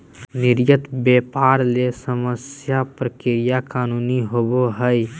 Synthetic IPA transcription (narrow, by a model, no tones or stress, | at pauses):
nɪɾjət̪beːpaːɾlesəməsjapɾəkɪɾɪjakaːnuːniɦoboɦəj